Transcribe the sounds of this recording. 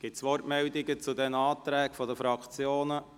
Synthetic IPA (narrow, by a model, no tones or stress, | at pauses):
ɡ̥ɪtsʋɔrtmɛld̪ɪɡət͡sud̪ɛnɑːt̪ɾæːkfɔdəfɾɑkʰt͡sjoːnə